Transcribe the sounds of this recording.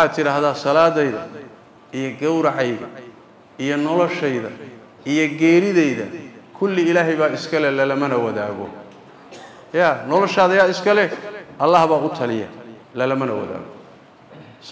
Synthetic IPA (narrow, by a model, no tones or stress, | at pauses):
wħɑːt̪ʰɪɾaːhðaːsɐlaːðɛjðɐ̰ | ijɔɡɐwɾɑʕɑjðɐ | ijɔnɔlɔʃɛjðɐ | ijɔɡɛːɾɪðɛjðɐ̰kʰʊlːɪɪlaːɦɛjβaːɪskʰɐlɛlɐlɐmɐnɐwɐða̰ːɣɔ̰ | jaːnɔlɔʃaːðɐjaːɪskʰɐlɛʔɐlːaːhβaːʊt̪ʰɐlɪjɐ̰lɐlɐmɐnɐ̰wɐ̰ða̰ːɣɔ̰